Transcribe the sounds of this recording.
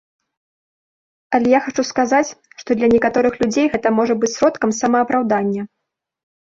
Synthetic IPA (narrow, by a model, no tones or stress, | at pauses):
ɐlʲɛjaxat͡ʂuskazat͡sʲʂt̪ɔd̪lʲɐnʲɛkat̪ɔɾɨxlʲud͡zʲejɣɛt̪ɐmɔʐɐbɨt͡sʲsɾɔt̪kɐmsɐmɐːpɾawd̪anʲːɐ